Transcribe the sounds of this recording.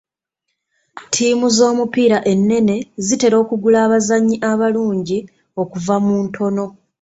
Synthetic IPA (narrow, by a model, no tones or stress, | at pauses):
tʰiːmuzo̞ːmupiːɾaʔe̞nːe̞ne̞zite̞ɾo̞ːkuɡulaːβazaɲːiʔaβaluːɲɟi | o̞kuvamuntʰo̞no̞